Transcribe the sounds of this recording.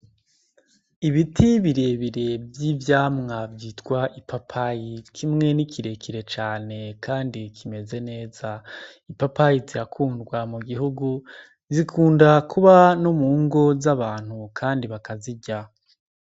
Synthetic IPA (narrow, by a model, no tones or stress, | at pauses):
iβitʰiβiɾeβiɾe̞bjivjaːmŋavjiːtkwaʔipapʰajikʰimŋe̞nikiɾe̞kiɾe̞t͡ʃaːne̞kʰaːndikʰime̞ze̞ne̞ːz̥aipapajiziɾakʰuːndɡwamuɡiɦuɡu | zikʰuːndakuβano̞muːŋɡo̞zaβaːn̥hukʰaːndiβakaziɟa